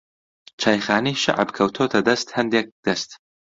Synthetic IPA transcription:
t͡ʃʰaːjχaːniʃa̰ʕ̰bkʰɐwt̪ʰoːt̪ʰɐd̪ɐst̪hɐnd̪eːk̚d̪̥ɐst̪

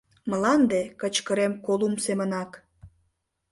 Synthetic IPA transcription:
mə̆lɑnd̪ekət͡ɕkəɾemkolumsemənɑk

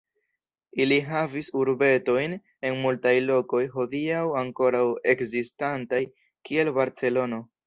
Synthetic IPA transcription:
iliɦavisuɾbe̞to̞jn | e̞nmultajlo̞ko̞jɦo̞diawaŋko̞ɾawe̞kzistantaj | kie̞lbaɾt͡se̞lo̞no̞

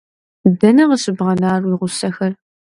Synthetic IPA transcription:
dɐnɐʁəsɨbʁɐnaːrwiʁʷʊsɐxɐr

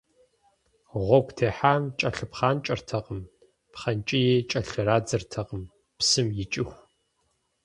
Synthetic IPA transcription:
ʁʷɔɡʷʰʼtʰeːħaːmt͡ʃʼɐɬɨpχaːnt͡ʃʼɐrtʰɐqəm | pχɐnt͡ʃʼɪjeːt͡ʃʼɐɬɨraːd͡zɨrtʰɐqəm | psɨmjɪt͡ʃʼɪxʷ

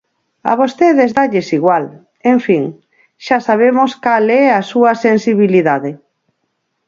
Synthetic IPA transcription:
a̰β̞ost̪eðezðaʎesiɣwal | eɱfiŋ | ʃasaβ̞emoskalɛasuɐsensiβ̞iliðaðe

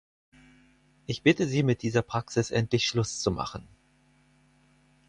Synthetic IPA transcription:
ʔɪçb̥ɪtəziːmɪt̚d̥iːzɐpʁ̥aksɪsʔɛntlɪçʃlʊst͡suma̰χn̩

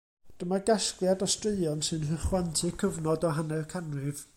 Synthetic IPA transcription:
d̥əmaɡaskljadɔstreɨɔnsɨnɦəχwantʰɨkʰəvnɔdɔɦanɛrkʰanrɨv

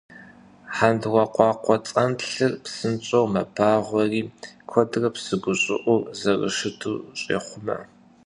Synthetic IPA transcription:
ħandwʷɐqʷɑːqʷɔt͡sʼɐnɬɨrpsɨnt͡ʃʼowmɐbʰaːʁʷɔriːkʷʰɔdɨrɐpsɨɡʷʊɕʼɪ̰ʔʷʊrzɐrə̰ʃɨtʰuːɕʼḛːχʷʊmɐ̰

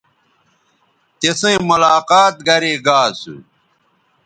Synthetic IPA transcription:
t̪esẽmɐlaːqaːt̪̚ɡɐɾeːɡaːsṵ

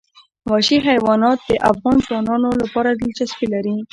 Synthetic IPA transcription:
wɑʃiɦajwɑnɑt̪̚d̪əʔa̰fɣɑnzwɑnɑnolapɑɾad̪ilt͡ʃaspilaɾi

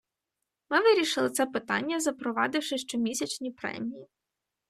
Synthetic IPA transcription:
mɪʋɪɾʲiʃɪlˠɪt̪sɛpɪt̪ɑ̰nʲːɐzɐpɾɔʋɑd̪ɪwʃɪʃt͡ʃɔmʲisʲɐt͡ʃnʲipɾɛ̰mʲiji

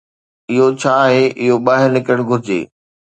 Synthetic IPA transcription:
ɪɦot͡ɕʰaːɦeʔɪɦoɓaːɦɪɾnɪkəɽ̃ɡʱʊɾɪd͡ʑḛː

